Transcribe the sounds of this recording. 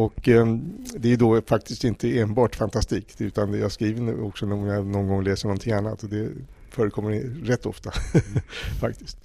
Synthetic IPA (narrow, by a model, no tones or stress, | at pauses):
ɔk | d̪ɛæd̪ofak̚t̪ɪst̪ɪnt̪ʰəeːnbɑːʈfant̪ʰast̪iːkʉ̟ːt̪anjɑːaskɾiːvənɔksɔnɔmjɑnɔnɡɔŋlɛːsəɳɔnt̪ʰɪŋanːat̪ɔd̪ɛ | fœːɾəkʰɔmːəɾɾɛt̪ːɔ̰ft̪a | fak̚t̪ɪst̪